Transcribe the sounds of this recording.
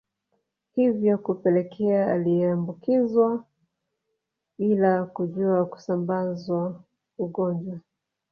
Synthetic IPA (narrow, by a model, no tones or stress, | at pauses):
hivjɔkupɛlɛkʰɛaaliɛambukizwa | ɓilakuʄuaku̥sambazwa | uɡɔɲd͡ʒwa